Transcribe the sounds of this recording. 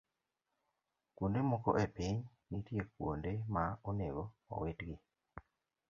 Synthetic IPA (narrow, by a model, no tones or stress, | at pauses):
kwundemuko̰ʔepiɲ | nitjek̚wo̰ndemauneβoo̰wetɡi